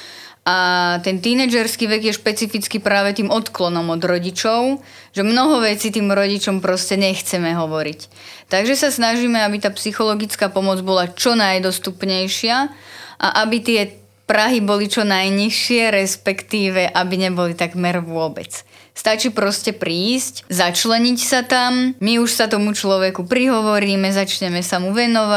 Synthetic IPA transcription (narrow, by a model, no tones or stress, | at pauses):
ʔat̪ɛnt̪inɛd͡ʒɛɾskiːʋɛɡjɛʃpɛt͡sifit͡skipɾaːʋɛt̪iːmɔt̪klɔnɔmɔd̪ɾɔɟit͡ʃɔʊ | ʒɛmnɔɦɔʋɛt͡siːt̪iːmɾɔɟit͡ʃɔmpɾɔscɛɲɛxt͡sɛmɛɦɔʋɔɾic | t̪aɡʒɛsasnaʒiːmɛabit̪aːpsixɔlɔɡit͡skaːpɔmɔd͡zbɔlat͡ʃɔnajd̪ɔst̪upɲɛjʃɪaʔa̰ʔabit̪ɪɛ | pɾaɦibɔlit͡ʃɔnajɲiʃɪɛɾɛspɛkt̪iːʋɛʔabiɲɛbɔlit̪aɡmɛɾʋʊɔbɛ̰t͡s | st̪at͡ʃiːpɾɔscɛpɾiːsczat͡ʃlɛɲicsat̪ammiuʃsat̪ɔmut͡ʃlɔʋɛkupɾiɦɔʋɔɾiːmɛzat͡ʃɲɛmɛsamuʋɛnɔʋa